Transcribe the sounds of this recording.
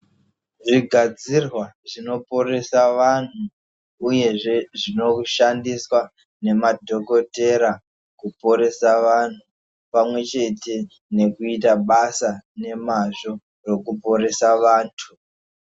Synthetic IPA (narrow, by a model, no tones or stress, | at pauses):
ʐiɡʱad͡zirwaʐino̞po̞ɾe̞saʋan̤uː | je̞ʐe̞ʐino̞ʃandiswa | ne̞madʱo̞ko̞te̞ɾa | kupo̞ɾe̞saʋan̤u | pamwe̞t͡ʃe̞te̞ | ne̞kuit̬aɓasane̞maʐo̞ | ro̞kupo̞ɾe̞saʋaːntʰu